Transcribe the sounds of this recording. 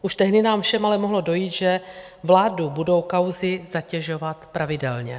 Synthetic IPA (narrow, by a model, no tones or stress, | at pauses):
ʔuʃt̪ɛɦdɪnaːmfʃɛmalɛmoɦlo̞do̞jiːt̪ʒɛ | vlaːdubudo̞wkawzɪzacɛʒo̞vat̪pɾavɪdɛ̰lɲɛ̰